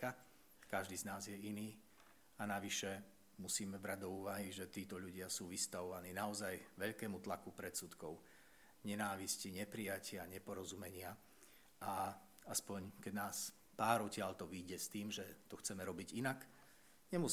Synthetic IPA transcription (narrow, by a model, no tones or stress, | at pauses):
ka | kaʒd̪iːznaːzjɛiniː | anaʋiʃɛ | musiːmɛvɾaɟ̚d̪ɔuːʋaɦiʒɛt̪iːt̪ɔʎuɟɪasuːʋist̪aʋɔʋaniːnaɔzajʋɛʎkɛːmut̪lakupɾɛt̪suːt̪kɔʊ | ɲɛnaːʋisciɲɛpɾijacɪaɲɛpɔɾɔzumɛɲɪa | ʔa | aspɔɲkɛnaːs | paːɾɔcɪaʎt̪ɔʋiːɟɛst̪iːmʒɛt̪ɔxt͡sɛmɛɾɔbiɟinak | ɲɛmu